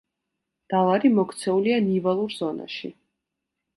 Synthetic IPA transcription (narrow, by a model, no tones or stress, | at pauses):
d̪̥alˠaɾimɔkʰt̪sʰɛulianivalˠuɾz̥ɔna̰ʃi